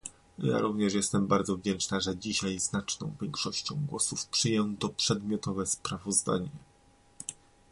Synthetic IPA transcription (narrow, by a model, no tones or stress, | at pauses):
ja̰ɾuvɲɛʂ̬jɛst̪ɛmbaɾd̪zɔvd͡ʑɛnt͡ʂnaʐɛd͡ʑiɕajznat͡ʂnɔ̰̃w̃vʲjɛŋkʂɔɕt͡ɕɔ̃w̃ɡwɔsufpʂɨjɛnnt̪ɔpʂɛd̪mʲjɔt̪ɔvɛspɾavɔzd̪a̰ɲɛ